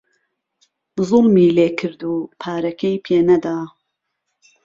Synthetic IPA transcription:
zʊlmiːleːkʰɨɾd̪uːpʰaːɾɐkʰejpʰeːnɐd̪aː

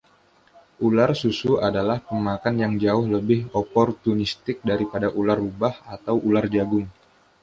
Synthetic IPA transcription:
ʔularsusuadalahpəmakanjaŋd͡ʒaʊhləbɪhopɔrt̪unist̪ɪk̚daɾipadaʔularːubahat̪awʔulard͡ʒaɡʊŋ

